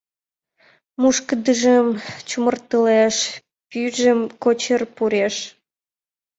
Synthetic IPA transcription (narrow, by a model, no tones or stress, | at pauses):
muʃkəd̪əʒəmt͡ɕumərt̪əleʃ | pyʒəmkot͡ɕərpuɾeʃ